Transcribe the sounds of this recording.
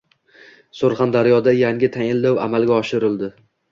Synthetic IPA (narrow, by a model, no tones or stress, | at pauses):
soɾχand̪aɾjɒd̪ajaŋʲɪt̪ʰaŋʲɪld̪awa̰malɡʲaɒʃɪɾɪld̪ɪ